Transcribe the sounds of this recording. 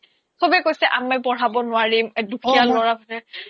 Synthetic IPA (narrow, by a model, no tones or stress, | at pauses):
kʰobɛkojsɛʔamɛpɔɹ̤abɔnʊwaɹimɛdukʰialɔɹabʰʱatɛ